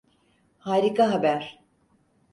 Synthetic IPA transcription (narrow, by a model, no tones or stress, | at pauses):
haːɾikaɦabæɾ̥